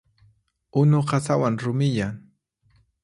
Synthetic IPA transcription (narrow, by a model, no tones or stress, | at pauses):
ʊnoɢɑsawaŋɾʊmɪjaŋ